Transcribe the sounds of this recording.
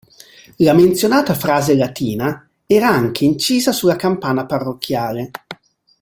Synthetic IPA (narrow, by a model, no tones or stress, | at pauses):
lament̪sjonaːt̪afɾaːzelat̪iːna | ɛːɾaaŋk̟ʰeint͡ʃiːzasulːakampaːnaparːokʰːjaːle